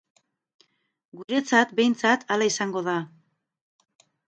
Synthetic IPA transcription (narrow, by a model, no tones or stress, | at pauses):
ɡuɾe̞t͡sat̪be̞jnt͡sat̪ʰalaisaŋɡo̞ða